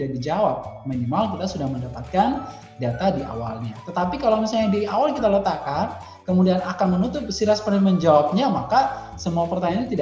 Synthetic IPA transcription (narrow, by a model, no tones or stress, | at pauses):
dadid͡ʒawap̚minimalkit̪asudahməndapat̪̚kan | dat̪adiʔa̰walɲat̪ət̪apikalawmisalɲadiawalkit̪alət̪akan | kəmudianakanmənut̪ʊp̚siɾaspərnaməɲd͡ʒawap̚ɲamaka | səmuapərt̪aɲanɲat̪id